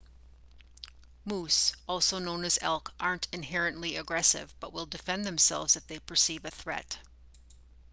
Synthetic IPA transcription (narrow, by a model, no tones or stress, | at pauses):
musɔlˠsoʊnõʊ̃nɨzɛ̰lˠkʔɑɹntʰɨ̃nɦɛɹɨ̃nʔliɨɡɹɛsɪ̰vb̥ʌʔ̚wɪlˠdɨfɛ̃nðɨ̃msɛ̰lˠvzɨfðeɪpʰə˞sivɨθɹɛ̰t